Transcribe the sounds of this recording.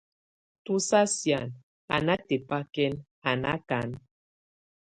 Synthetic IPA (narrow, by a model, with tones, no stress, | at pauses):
tu˦sa˦sja˨n | a̰˨na˦te˨pa˦kɛ˦n | a˨na̰˦ka˨˦n